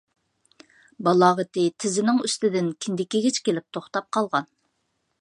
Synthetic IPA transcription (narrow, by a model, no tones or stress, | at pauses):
bɑlˠɑːʁət̪ɪt̪ʰɪzɪnɪŋyst̪ɪd̪ɪnkʲʰɪnd̪ɪkʲiɡʲet͡ʃkʲelɪp̚t̪ʰoχt̪ɑp̚qʰɑlˠʁɑn